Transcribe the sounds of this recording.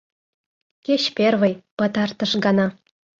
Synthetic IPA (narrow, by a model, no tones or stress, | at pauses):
kʲeɕpʲervɤ̆jpɤ̆t̪ɑrt̪ɤ̆ʂɡɑnɑ